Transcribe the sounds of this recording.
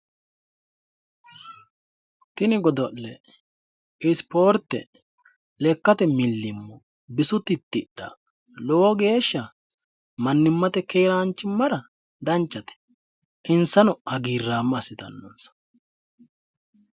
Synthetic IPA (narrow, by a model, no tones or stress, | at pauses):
t̪ɪnɪɡɔd̪ɔʔlɛ | ɪspo̞ːɾt̪ːɛ̰ | lɛkːɐt̪ɛmɪlːɪmːɔ | bɪsʊt̪ːɪt̪ːɪɗɐ̰ | lɔwɔɡe̞ːʃːɐ | mɐnːɪmːɐt̪ɛkeːɾɐnt͡ʃːɪmːɐɾɐ | d̪ɐnt͡ʃːɐt̪ɛ̥ | ʔɪnsɐnɔʔɐɡiːrːaːmːɐsɪt̪ɐ̰nːɔ̰nsɐ̥